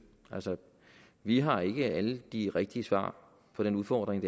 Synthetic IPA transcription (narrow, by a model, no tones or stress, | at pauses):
ælsə | ʋiɦɑ̈e̝ɡ̥əæləd̥iʁɛɡ̥̚d̥iəsʋɑ̰̈ː | pʰɒ̽ɾ̥enuðˠfɒ̰ːd̥ʁeŋd̥e